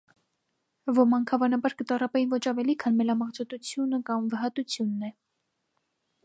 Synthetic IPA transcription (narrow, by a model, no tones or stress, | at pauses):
vɔmɑŋkʰɑvɑnɑbɑɾkət̪ɑrɑpɛinvɔt͡ʃʰɑvɛlikʰɑnmɛlɑmɑʁt͡sʰɔt̪ut͡sʰjunəkɑmvəɦɑt̪ut͡sʰjunːɛ